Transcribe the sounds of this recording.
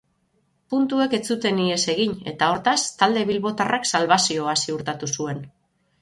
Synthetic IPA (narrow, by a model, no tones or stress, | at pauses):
punt̪ue̞ke̞t͡sut̪e̞nie̞se̞ɣiɲe̞̰t̪ao̞ɾt̪ast̪ald̪e̞βilβo̞t̪araksalβasio̞asiuɾt̪at̪usue̞n